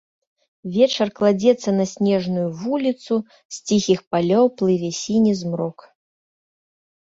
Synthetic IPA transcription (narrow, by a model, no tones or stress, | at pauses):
vʲɛt͡ʂɐrklˠad͡zʲɛt̪sːɐnɐsʲnʲɛʐnujuvulʲit̪su | sʲt͡sʲixʲixpalʲɔwplˠɨvʲɛsʲinʲɛzmɾɔk